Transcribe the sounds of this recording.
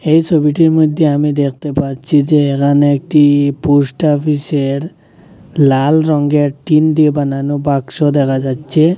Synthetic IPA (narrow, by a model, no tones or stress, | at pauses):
ejt͡ʃʰobiʈiɾmod̪ʱːeamid̪ek̚ʰt̪epatːt͡ʃʰid͡ʑeːkʰaneek̚ʈipusʈɔpʰiseɾ | lalɾɔŋɡeɾʈind̪ibananobakʃod̪ɛkʰad͡ʑatːʃʰe